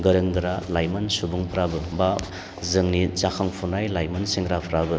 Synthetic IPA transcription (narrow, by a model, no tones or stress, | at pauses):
ɡɐɾɯŋɡɯɾalajmɐnsubuŋpʰɾabɯba | zɯŋnit͡ʃakʰaŋpʰunajlajmansiŋɾapʰɾabɯ